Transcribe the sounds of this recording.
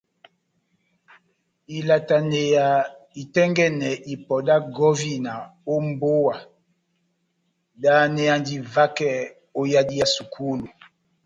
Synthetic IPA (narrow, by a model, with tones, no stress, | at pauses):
i˨la˨ta˨ne˨ja˨i˨tɛ˦ŋɡɛ˦nɛ˨ʔi˨pɔ˨da˦ɡɔ˦vi˦na˨o˦m˦bo˦wa˨ | da˦nɛ˨ja˨ndi˨va˦kɛ˦˨ | o˦ja˦di˦ja˨su˨kʰu˦lu˨